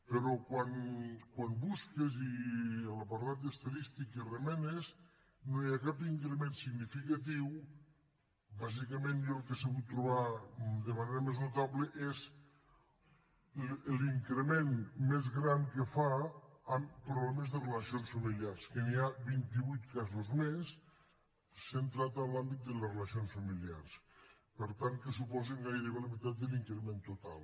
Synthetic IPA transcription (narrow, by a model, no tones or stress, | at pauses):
peɾɔkwankwanbuskeziəlapaɾt̪at̪̚d̪est̪aðist̪ikəremɛnez | nojakapiŋkɾemensiɣnifikat̪̬iw | bazikəmenjɔlˠkesəɣut̪ːɾuβ̞ad̪əmaneɾəmeznut̪aβləʔez | liŋkɾemenmezɣɾaŋkefaampɾuβlɛmezðəreləsionsfəmiliarskeniaβint̪iβujt̪kazuzmes | ent̪ɾat̪alambit̪̚d̪əlesreləsionsfəmilia̰ɾs | pəɾt̪aŋkesupɔzeŋɡajɾeβeləmit̪at̪̚d̪əliŋkɾemẽnt̪ut̪a̰lˠ